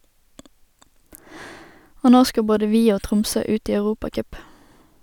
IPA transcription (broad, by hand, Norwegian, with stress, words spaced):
ˈoː ˈnoː ˈskɑ ˈboːdə ˈʋiː ˈoː ˈtʁʊmsøː ˈʉːt ˈiː ɑʉˈʁuːpɑˌkœp